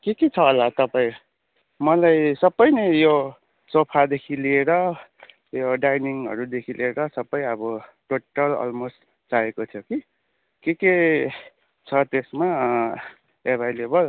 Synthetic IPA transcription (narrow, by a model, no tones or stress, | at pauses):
keket͡sʰʌːlat̪ʌpaĩ | mʌlajsʌbːʌjnejo | sopʰad̪ekʰilieɾʌ | joɖajniŋɦʌ̰ɾud̪ekʰilieɾʌsʌbːʌjʌbʌʈoʈʌlʌ̰lmost | t͡saekot̪ʰjoki | keke | t͡sʰʌt̪esma | ebʱajlebʌl